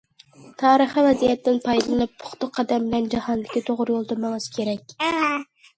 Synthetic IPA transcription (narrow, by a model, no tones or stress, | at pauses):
t̪ʰɑːɾəχivɛzijɛt̪ːɪnpʰɑjd̪llˠɨnɨp̚ːʰʊ̥χt̪ʊqʰːɑd̪ɛmbɪlɛnd͡ʒɑhɑnd̪ɪkʲit̪ʰoʁʊɾjolˠt̪ʊmɨŋɨz̥kʲʰeɾɛk̚ʲ